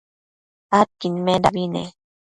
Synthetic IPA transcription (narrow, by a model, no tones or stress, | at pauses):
at̚kinmeɾabinḛ